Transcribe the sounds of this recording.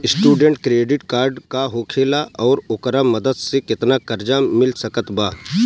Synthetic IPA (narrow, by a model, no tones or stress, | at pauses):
ɪsʈuːɖẽɳʈkɾeːɖɪʈkaːɾɖkaɦoːkʰeːlaʔɔːɾʊkɾamɐd̪əd̪sekɪt̪nakɐɾd͡ʒamɪlsɐkət̪baː